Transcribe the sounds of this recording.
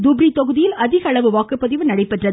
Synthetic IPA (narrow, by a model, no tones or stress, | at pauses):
d̪ʊbɾit̪ɔɣɯðɪjɪlɐðɪɣɐɐɭɐʋɯʋaːkɯpːɐðɪʋɯnɐɽɐɪpːɛʈrɐð